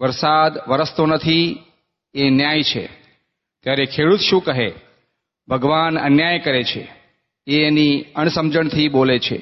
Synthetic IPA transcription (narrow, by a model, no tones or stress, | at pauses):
ʋəɾsad̪ʋəɾəst̪onət̪ʰi | enjajt͡ʃʰḛ | t̪jaɾekʰeɽut̪ʃũkəɦe | bʱəɡʋanə̰njajkəɾet͡ʃʰḛ | eniəɳ̃səmd͡ʒəɳt̪ʰibolet͡ʃʰḛ